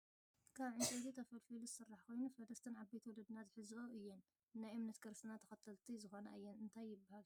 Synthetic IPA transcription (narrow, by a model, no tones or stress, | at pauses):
kʰaβʕɨnt͡ʃʼed̪it̪ʰɐfɐlfiluzɨsɨrːaħko̞jnufɐd̪ɐst̪ʰɨnʕabːet̪wɔlɐd̪nat̪ħɨzoʔɨjːɛnː | ajʔɨmnɐt̪ɡɐɾsɨnat̪ʰɐ̥xɐt̪ʰɐlt̪ʰizɨxo̞nɐʔɨjːɛnɨnt̪ʰajːɪbːahal